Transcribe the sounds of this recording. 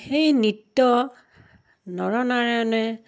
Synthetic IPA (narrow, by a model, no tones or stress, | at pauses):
xejnitːɔ | nɔɹɔnaɹɛɔnɛ